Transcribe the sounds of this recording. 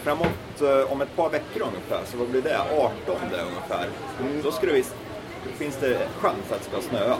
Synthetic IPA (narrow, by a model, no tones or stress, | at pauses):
fɾamːut̪ɔmɛt̪̚pʰɑːɾvɛkːəɾɵŋːəfæ̰ːɾsɔvablɪɖɛɑːʈɔnd̪æ̰ɾɵ̰ŋːəfæ̰ːɾ | d̪ɔskɵlɛvɪ | fɪnsd̪ɛɧansat̪skɑːsnøːa